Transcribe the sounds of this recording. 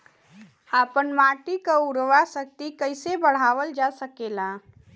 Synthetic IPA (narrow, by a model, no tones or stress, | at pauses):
aːpənmaːʈikaʊɾʋasək̚t̪ikəɪsebəɽ̤aːʋəld͡ʒasəkeːlaː